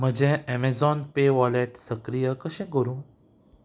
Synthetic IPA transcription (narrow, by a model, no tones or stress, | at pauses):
m̤əd͡ʑɛ̃ɛmezɔnpeʋɔleʈsəkɾijəkəɕɛ̃ɡoɾũ